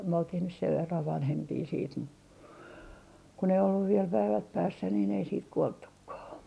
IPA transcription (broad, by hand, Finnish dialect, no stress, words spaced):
myø oltih nys seʋ ʋerːɑʋ ʋɑnhempiː siːt mu kun ei olːuʋ ʋiel pæiʋæt pæːsːæ niːn ei siːt kuoltːukːɑː